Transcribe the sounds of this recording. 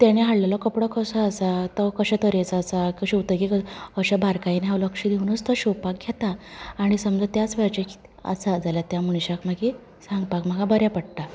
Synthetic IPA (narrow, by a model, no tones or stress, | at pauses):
t̪jañiɦaɽlalɔkəpɽəkəsaːsat̪əkəɕɛ̃t̪əɾet͡sːsakəɕiwt̪əkikəəɕabʱaɾkainɦawləkʂid̪ʱiunət͡st̪əɕuwpak̚ɡʱjet̪aːɽ̃isəmd͡zət̪jat͡sʋaɾt͡ɕeki̥t̪ | ə̰sad͡zaljat̪jamuɽɕakmaɡi | sãŋɡpakm̤əɡabəɾjapəɽt̪a